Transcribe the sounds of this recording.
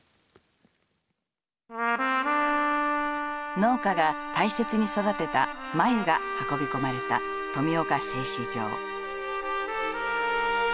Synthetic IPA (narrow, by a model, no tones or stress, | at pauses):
no̞ːkaɡat̪aise̞t͡sɨɲ̟iso̞d̪at̪e̞t̪amaeɡahako̞bʲiko̞maɾe̞t̪a̰ | t̪o̞mʲio̞kase̞ːɕid͡ʑo̰ː